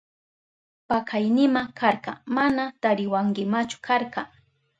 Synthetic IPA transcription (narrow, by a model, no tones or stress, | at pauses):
pakajnɪmakʰaɾqɑ̰manat̪aɾɪwaŋɡɪmat͡ʃʊ̥kʰaɾɢɑ